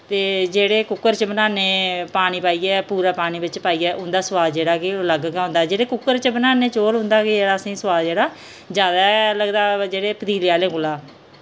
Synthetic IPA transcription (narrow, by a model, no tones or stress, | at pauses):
t̪eːd͡ʒeːɽeːkʊkːəɾt͡ʃəbənaːneːpaːɽ̃iːpaːiːɛːpuːɾaːpaːɽ̃iːbɪt͡ʃpaːiːɛːʔʊ̃nd̪aːsəʋaːd̪d͡ʒeːɽaːkɪləɡkɛːɦʊ̃nd̪aːɛd͡ʒeːɽeːkʊkːəɾt͡ʃəbənaːneːt͡ʃoːɾɦʊ̃nd̪aːkɪd͡ʒeːɽaːəsĩːsəwaːd̪d͡ʒeːɽaː | d͡ʒjaːd̪aːləɡd̪aːd͡ʒeːɽeːpəd̪iːlaːleːkʊlaː